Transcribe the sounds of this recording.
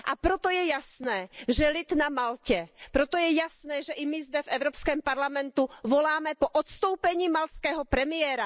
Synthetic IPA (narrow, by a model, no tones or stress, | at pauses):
ʔapɾɔt̪ojɛjasnɛːʒɛlit̪namalcɛpɾot̪ɔjɛjasnɛːʒɛʔimɪzd̪ɛvɛʊɾɔpskɛːmpaɾlamɛnt̪uvɔlaːmɛpɔʔɔt̪st̪owpɛɲiːmalt̪skɛːɦɔpɾɛmɪɛːɾa